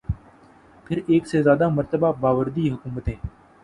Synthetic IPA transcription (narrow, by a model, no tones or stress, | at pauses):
pʰɪɾeːksezjaːd̪aməɾt̪əbabaːʋəɾd̪iɦʊkuːmət̪ɦẽː